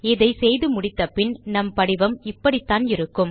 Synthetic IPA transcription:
ɪðɐɪsɛjðɯmʊɽɪt̪ːɐpːɪnnɐmpɐɽɪʋɐmɪpːɐɽɪt̪ːaːnɪɾɯkːɯm

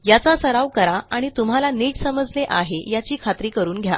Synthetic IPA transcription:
jat͡sasəɾaʋkəɾaaɽ̃it̪um̤alaniːd͡ʑsəməd͡zleʔaɦejat͡ɕiːkʰat̪ɾiːkəɾuːnɡʱja̰

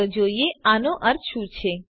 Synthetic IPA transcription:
əd͡ʒoieanoʔəɾt͡ʃʰũt͡ʃʰe

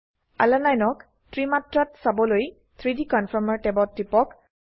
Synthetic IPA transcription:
a̰lanajnɔk | tɹimatɹatsabɔloj | t̪ʰɹidikɔnfʰɔɹmaɹtɛbɔtːipɔk

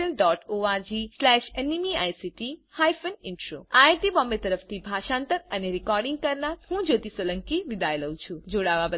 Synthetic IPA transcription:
əlɖɔʈoad͡ʒislɛʃenimia̰jsiʈihajfənɪ̃ɳʈɾo̰ajʈibɔmbet̪əɾəft̪ʰibʱaʃãnt̪əɾəneɾikɔɾɖĩŋɡ̚kəɾnat̪ɦũd͡ʒot̪isələ̃ŋkiʋid̪ajləwũt͡ʃʰũd͡ʒoɽaʋabə

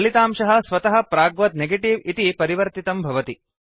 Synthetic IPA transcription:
ɐlit̪aːmʂɐɦɐ̆sʋɐt̪ɐɦɐ̆pɾaːɡʋɐt̪neɡeʈiʋit̪ipɐɾiʋɐɾt̪it̪ɐmbʱɐʋɐt̪i

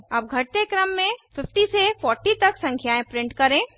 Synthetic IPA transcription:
ɐp̚ɡʱɐʈ̚t̪ekɾɐmːẽfɪfʈisefɔːɾʈit̪ɐksɐ̃ŋkʰjaːẽpɾɪ̃ɳʈkɐɾẽ

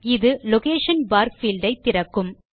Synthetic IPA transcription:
ɪðɯlɔkeːʃɐnbaːɾfilɖɐɪt̪ːɪɾɐkːɯm

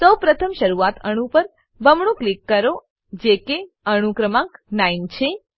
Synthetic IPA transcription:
səwpɾət̪ʰəmʃəɾuat̪ʰəɽ̃ũpəɾ | bʱəmɳ̃ũklikːəɾo | d͡ʒeke | əɽ̃ũkɾəmãknaint͡ʃʰe

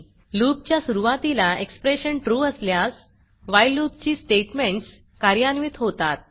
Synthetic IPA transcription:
luːp̚t͡ɕjasuɾuʋat̪ilaekspɾeɕəɳʈɾuːəsljas | ʋajluːp̚t͡ɕiːsʈeʈmẽɳʈs | kaɾjanʋit̪ɦot̪at̪̚

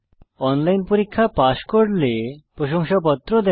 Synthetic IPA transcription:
ɔnlajnpoɾikʰːapaʃkoɾlepɾoʃoŋʃapɔt̪ːɾod̪ɛ

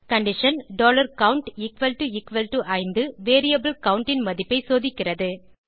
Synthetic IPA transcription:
kɐɳɖɪʂɐnɖoːlɐɾkɐʊɳʈɪkʋɐlʈuɪkʋɐlʈuʔɐɪnd̪ɯʋeːɾijɐbɪlkɐʊɳʈɪnmɐðɪpːɐɪsoːðɪkːɪrɐðɯ

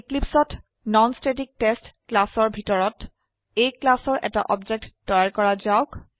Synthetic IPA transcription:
iklipsɔt | nɔnstetik̚testklasɔɹbʱitɔɹɔt | ejklasɔɹʔɛ̰ta̰ʔɔbd͡ʒek̚tdɔjaɹkɔɹazaʊk

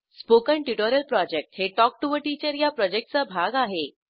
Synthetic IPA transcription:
spokəɳʈuʈɔɾəlpɾɔd͡ʑek̚ʈheʈɔk̚ʈuʋəʈit͡ɕəɾjapɾɔd͡ʑek̚ʈ̚t͡sabʱaɡaɦe

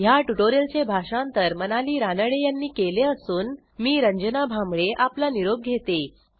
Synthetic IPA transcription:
jaʈuʈoɾjəlt͡sebʱaʂãnt̪əɾmənaliːɾanəɭejanːiːkeleəsuːn | miːɾəɲd͡ʑənabʱamɭeʔaplaniɾoɡ̚ɡʱet̪e

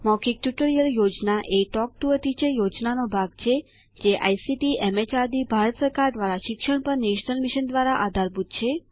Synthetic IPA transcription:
mɔkik̚ʈjuʈoɾijəljod͡ʒnaʔeʈɔk̚ʈuət̪it͡ʃʰejod͡ʒnanobʱaɡ̚t͡ʃʰe | d͡ʒeʔa̰jsiʈiɛmet͡ʃad̪ibʱaɾət̪səɾkaɾd̪ʋaɾaʃɪkʃəɽ̃pəɾneʃnəlmiʃənd̪ʋaɾaʔad̪ʱaɾbut̪t͡ʃʰe

